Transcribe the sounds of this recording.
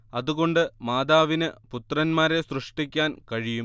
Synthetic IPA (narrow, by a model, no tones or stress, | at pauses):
ɐðuɣo̞ɳɖɨmaːd̪aːʋinɨput̪rɐnmaːɾe̞srɨʂʈikʲːaːnkɐɻijum